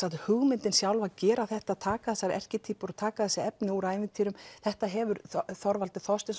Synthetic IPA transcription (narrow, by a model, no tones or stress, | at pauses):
saðhʏɣmɪnt̪ɪnsjawlvacɛːɾaθɛht̪aðt̪ʰaːkaθɛsːaɾʔɛ̰r̥cɪt̪ʰiːpʏɾɔt̪ʰaːkaθɛsːɪɛpnɪuɾaɪnvɪt̪ʰiɾʏmθɛht̪aɦɛvʏɾθɔɾvalt̪ɪθɔst̪ɪns